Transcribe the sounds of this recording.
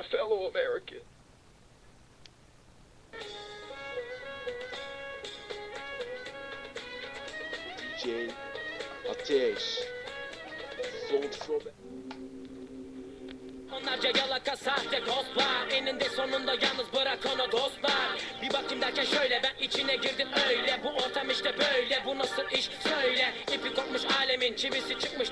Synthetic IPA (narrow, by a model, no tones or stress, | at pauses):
fɛlˠoɐmɛɹɪkʰə | d̪id͡ʒej | at̪ʰɛʃ | sot͡ʃpʰɹob | onlˠaɾd͡ʒajalˠakasaːd̪ɛkʰoklˠaɾenind̪ɛso̞nund̪ajalˠnɯzbɯɾakʰonaɡ̪ost̪lˠaɾbibakʰɯmd̪acʰaʃøjlʲɛbænit͡ʃʰinɛɟiɾd̪imøjlʲɛbuo̞ɾt̪ʰamiʃt̪ɛbøjlɛbunasɯiʃsøjlʲɛipikʰot̪̚mɯʃaːlʲɛmint͡ʃʰiβisit͡ʃʰɯk̚mɯʃ